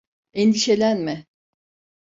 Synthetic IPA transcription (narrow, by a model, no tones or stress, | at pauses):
ɛnd̪iʃe̞lʲænmɪ